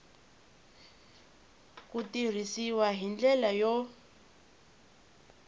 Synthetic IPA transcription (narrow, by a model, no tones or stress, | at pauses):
kutir̤isiwaɦind͡ɮɛlajɔ